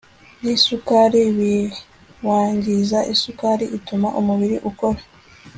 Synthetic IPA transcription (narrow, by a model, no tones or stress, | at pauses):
nisukaɾiβi | waːɲɟizaʔisukaɾiitumaʔumuβiɾiʔukoɾa